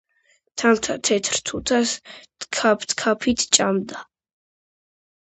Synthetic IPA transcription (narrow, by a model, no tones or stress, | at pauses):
t̪ʰant̪ʰat̪ʰɛt̪ʰɾt̪ʰut̪ʰas | kʰapʰt̪kʰapʰit̪ʰt͡ʃʼamd̪a